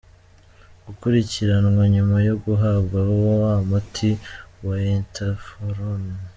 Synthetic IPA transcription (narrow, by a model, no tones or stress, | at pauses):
ɡukuɾiciɾanŋwaɲumajo̞ɡuɦabɡawowowamutʰiwaentʰafoɾon